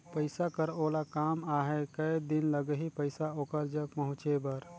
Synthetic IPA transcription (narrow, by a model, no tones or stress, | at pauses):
pəɪsakəɾolakamaɦɛkəjd̪inləɡəɦipəɪsaoːkəɾd͡ʒək̚pəɦʊ̃t͡ʃebəɾ